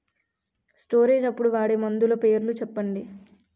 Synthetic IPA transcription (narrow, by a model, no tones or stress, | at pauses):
sʈo̞ːɾe̞ːd͡ʒɐpːuɽuʋaːɽemɐnd̪ulɐpe̞ːɾlut͡ʃɛpːɐɳɖi